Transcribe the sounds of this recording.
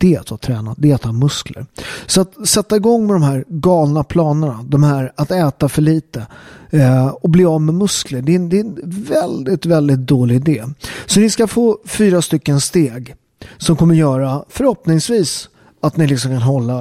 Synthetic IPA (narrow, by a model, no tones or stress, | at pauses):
d̪̥ɛɛt̪hat̪ʰɾɛːnat̪̚d̪ɛɛt̪amɵsklə̰ɾsɔat̪sɛt̪ːaɪɡɔŋːmɛd̪ɔmɦæːɾɡɑːlnapʰlɑːnəɳad̪ɔmhæːɾat̪ɛːt̪afœɭiːt̪ə | ɔbliːɑːvmɛmɵskləɖɛnd̪ɛɛnvɛld̪ɪt̪vɛld̪ɪt̪̚d̪oːlɪɪd̪eːsɔnɪskafoːfyːɾast̪ʏkːənst̪eːɡ | sɔmkʰɔmːəɾjœːɾafœɾhɔpnɪŋsviːs | at̪nɪlɪksɔmkʰanɦɔlːa